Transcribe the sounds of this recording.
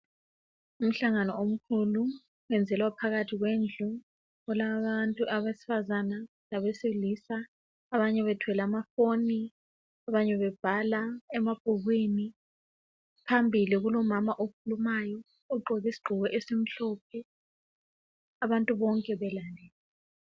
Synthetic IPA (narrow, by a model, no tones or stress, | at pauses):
um̩ɬaŋanɔom̩kʰulu | wɛnd͡zʱɛlwapʰaɣatʰiɣwend͡ɮʱu | ɔlaβantʼuʔaβesi̥fazana | laβesilisaː | βaɲɛβɛtʰwɛlamafoni | aβaɲɛβɛb̥ʱalaɛmab̥ʱuɣwini | pʰambʱiliɣulɔmamaʔokʰulumajɔ | ɔǃʱɔɣisi̥ɡ͡ǃʱuɣɛʔesim̩ɬɔp̚ʰɛ | aβantʼuβɔŋkʼɛβɛlalɛːlɛ